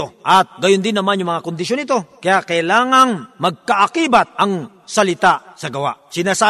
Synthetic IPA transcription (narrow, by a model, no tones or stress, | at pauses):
oʔɐt̪̚ɡɐjond̪ɪnːɐmanjʊŋmɐŋakʊnd̪ɪʃ̬onɪt̪o̞kɐjaʔkɐjlaːŋaŋmɐɡ̚kɐʔɐkiːbat̪̚ɐŋ | sɐlɪt̪asɐɡɐwa̰ʔsɪnaːsa